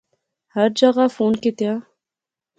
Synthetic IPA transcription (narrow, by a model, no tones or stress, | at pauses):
hɐɾd͡ʒɐɣafoːnket̪jãː